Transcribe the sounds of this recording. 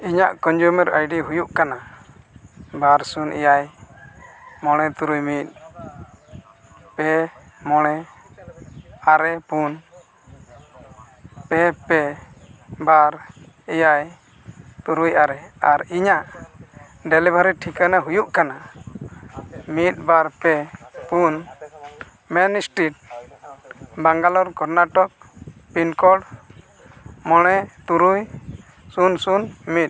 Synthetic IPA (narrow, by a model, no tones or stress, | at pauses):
iɲaʔkɔnd͡ʒumɛɾa̰jɖiɦujuʔkana | baɾsunɛ̰jaj | mɔɽ̃ɛt̪uɾujmit̪̚ˀ | pɛ | mɔɽ̃ɛ | aɾɛpun | pɛpɛ | baɾ | ɛjaj | t̪uɾujʔaɾɛaɾiɲaʔ | ɖɛlibʱaɾiʈʰikanaɦujuʔkana | mit̪̚ˀbaɾpɛpun | mɛnsʈiʈ̚ | baŋɡalɔɾkɔɾnaʈɔk̚ | pinkɔɽ | mɔɽ̃ɛt̪uɾuj | sunsunmit̪̚